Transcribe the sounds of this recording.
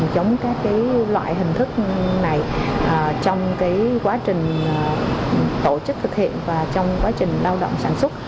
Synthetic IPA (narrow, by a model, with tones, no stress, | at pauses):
mzə˨˦wŋ͡mkaː˦˥kːaː˨˦jlwa̰ː˧˨jɦï˨˩ŋ̟t̪ʰɨ˦˥k̚na˨˩jʔəː˨˩t͡ɕɔ˧wŋ͡mkaː˨˦jkwaː˨˦t͡ɕï˨˩ŋ̟˩ | t̪o˧˩t͡ɕɨ˦˥k̚t̪ʰɨ˨˩k̚hḭ˧˨ənvaː˨˩t͡ɕɔ˧wŋ͡mkwaː˨˦t͡ɕï˨˩ŋ̟laː˧wɗo̰˧˨wŋ͡msaː˧˩nswə˦˥t̚